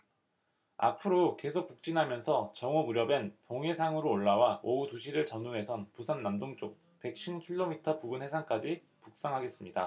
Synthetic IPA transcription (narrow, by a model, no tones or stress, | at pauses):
a̰pʰɯɾoke̞sʰok̚puk̚t͡ɕ͈inɦamjʌnsʰʌt͡ɕʌŋʌmuɾjʌbe̞ntoŋe̞sʰaŋɯɾoːɭːawaoutuɕʰiɾɯɭt͡ɕʌnunɦe̞sʰʌnpusʰannamdoŋt͡ɕ͈ok̚ | pe̞k̚ɕ͈ʰinkʰiɭːomitʰʌpuɡɯnhe̞sʰaŋk͈ad͡ʑi | puk̚s͈aŋɦaɡe̞s͈ɯmɲida̰